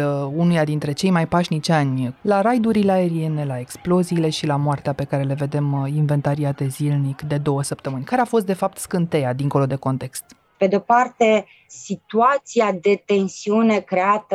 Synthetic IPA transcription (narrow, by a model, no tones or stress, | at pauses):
unujad̪in̪t̪ɾe̞t͡ʃe̞jmajpaʃnit͡ʃanʲlaɾajd̪uɾileae̞ɾie̞ne̞lae̞ksplo̞ziːle̞ʃilamoart̪eape̞kaɾe̞le̞ve̞d̪e̞minve̞nt̪aɾiat̪e̞zilnikd̪e̞d̪o̞wəsəpt̪əmɨnʲkaɾeafo̞st̪̚d̪efap̚t̪skɨnt̪e̞jad̪iŋko̞lo̞d̪e̞ko̞nt̪e̞kst̪ | pe̞d̪eopart̪e̞ | sit̪uat̪siad̪e̞t̪e̞nsiune̞kɾe̞at̪ə